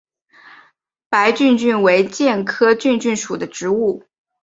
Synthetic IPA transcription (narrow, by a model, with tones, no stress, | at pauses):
pa˧˥ɪt͡ɕy˥˧nt͡ɕy˥˩nwe˧˥ɪt͡ɕjɛ˥˩nkʰɤ˥t͡ɕy˥˧nt͡ɕy˥˩nʂu˨˩d̪ə˦ʈ͡ʂɻ̩˧˥u˥˩